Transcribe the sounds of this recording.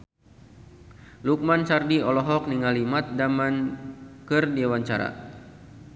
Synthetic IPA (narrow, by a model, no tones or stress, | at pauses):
luk̚mant͡ʃardiɔlɔɦɔk̚niŋalimat̪̚damankɨrdiawaɲt͡ʃa̰ɾa̰